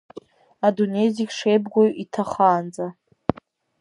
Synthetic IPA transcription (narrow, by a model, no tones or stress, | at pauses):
adunejzikʲʂejbɡʷojʔitʰaχaːnd͡za